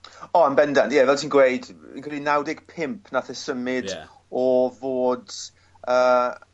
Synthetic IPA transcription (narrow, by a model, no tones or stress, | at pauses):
ɔənbɛndanjɛvɛlˠtʰiːnɡwejdḭnkʰrɛlˠinawdɪɡ̥pʰɪmpʰnaθɛsəmɪd | ɔvoːd | əː